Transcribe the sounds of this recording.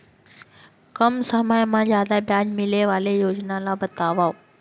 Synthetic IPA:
kəmsəməjmãzjaːd̪abjaːd͡ʒmɪleʋaːlejoːd͡ʑnalabɐt̪aːʋaːo

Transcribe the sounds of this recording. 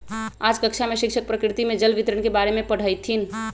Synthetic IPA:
aːd͡ʒkəkʃʰameʃɪkʃʰək̚pɾəkɾɪt̪imẽd͡ʒəlʋɪt̪ɾəɳkebaːɾemẽpəɽ̤əjt̪ʰin

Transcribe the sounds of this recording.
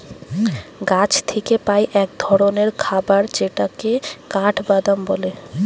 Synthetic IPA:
ɡat͡ɕʰt̪ʰekepajʔɛk̚d̪ʱɔɾoneɾkʰabaɾt͡ɕeʈakekaʈʰbad̪ambole

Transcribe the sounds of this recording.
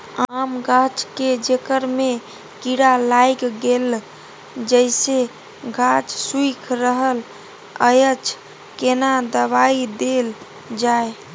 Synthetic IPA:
aamɡʱat͡ʃked͡ʒekəɾme | kiɽalajkɡel | d͡ʒəjse | ɡʱat͡ʃsuikʰɾəɦəl | əjət͡ʃʰ | kenad̪əβaid̪el | d͡ʒae

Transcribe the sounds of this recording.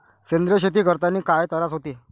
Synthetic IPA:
send̪ɾəɕ̬et̪̬iːkəɾt̪aniːkajt̪əɾat͡sɦot̪iː

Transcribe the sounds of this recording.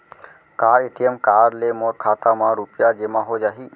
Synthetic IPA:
kaːɾeʈijəmkaːɾlemoɾkʰaːt̪amãɾupjad͡ʒemãɦod͡ʒaːɦiː

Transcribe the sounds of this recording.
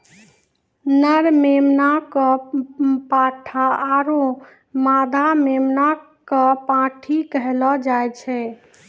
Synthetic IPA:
nəɾmemnakɔ | paʈʰaaɾõ | mad̪ʱamemna | kɔpãʈʰikəɦlɔd͡ʒajt͡ʃʰɛ

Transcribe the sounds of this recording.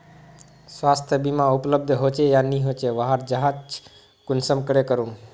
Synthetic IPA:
swast̪ʰjəbimãupləb̚d̪ʱɦot͡ʃejaniɦot͡ʃeʋaɦaɾd͡ʒəɦad͡ʒt͡ʃʰ | kunsəmkəɽekəɾum

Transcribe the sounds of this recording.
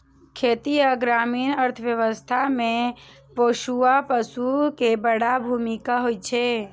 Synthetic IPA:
kʰeːt̪iaɡɾaːmiːnəɾt̪ʰəʋjəʋəst̪ʰamẽ | poːʃuapəsukebəɽabʱuːmikaɦoːit͡ʃʰe

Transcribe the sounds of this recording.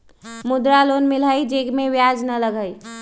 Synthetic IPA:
mud̪ɾalonmiləjd͡ʒeɡmeʋjad͡ʒnələɡʱəj

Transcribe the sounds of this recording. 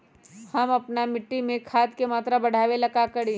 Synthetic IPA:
hɐmɐpnamɪʈːimẽkʰaːd̪kemaːt̪ɾabɐɽ̤ʱaːʋelɐkakɐɽi

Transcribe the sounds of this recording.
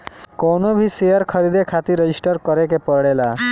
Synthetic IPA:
kɔːnobʱisejəɾkʰəɾid̪ekʰat̪iɾed͡ʒisʈəɾkəɾekepəɾɽela

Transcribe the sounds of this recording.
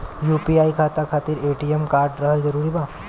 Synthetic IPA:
jupiaikʰat̪akʰat̪iːɾeʈiemkaɾʈɾəɦəld͡zəɾuːɾiːba

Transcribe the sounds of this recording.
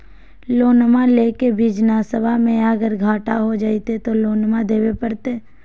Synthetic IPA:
loːnmãleːkebʱiːd͡ʒnasəbʱamẽəɡəɾɡʱaːʈaɦod͡ʒaːit̪et̪oloːnmãd̪eːwepəɽt̪eː

